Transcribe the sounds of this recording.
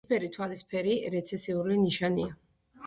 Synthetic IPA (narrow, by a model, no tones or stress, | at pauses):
pʰɛɾit̪ʰwalispʰɛɾiɾɛt̪sʰɛsiuliniʃania